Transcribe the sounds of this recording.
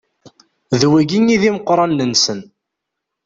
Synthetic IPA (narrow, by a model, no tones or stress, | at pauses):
ðwæɡiniðiməqːɾˤɑnːənsən